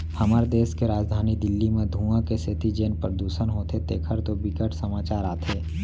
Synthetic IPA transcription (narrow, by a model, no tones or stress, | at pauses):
hɐmaːɾd̪eːskeɾaːd͡ʒd̪ʱaːnid̪ɪlːimẽd̪ʱũãkeset̪id͡ʒeːnpəɾd̪uːʃənɦoːt̪ʰet̪eːkʰəɾt̪obɪkəʈʰsɐmaːt͡ʃaːɾaːt̪ʰeː